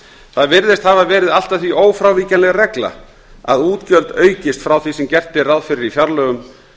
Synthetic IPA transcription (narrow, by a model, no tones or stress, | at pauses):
θaðvɪɾðɪst̪havavɛːɾɪðal̥t̪ḁθviʔoːwfɾawviːcanlɛɣarɛkla̰ | a̰ðuːt̪cœlt̪œːɥcɪst̪fɾawθvisɛmcɛr̥t̪ɪraðfɪɾɪɾifjaɾlœːɣʏm